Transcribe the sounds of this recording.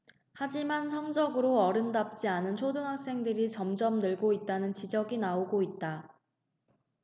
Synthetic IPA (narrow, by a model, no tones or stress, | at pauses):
had͡ʑimansʰʌŋd͡ʑʌɡɯɾoʌɾɯndap̚t͡ɕ͈ianɯnt͡ɕʰodɯŋɦak̚s͈e̞ŋdɯɾit͡ɕʌmd͡ʑʌmnɯɭɡoit̚t͈anɯnt͡ɕid͡ʑʌɡinaoɡoit̚t͈a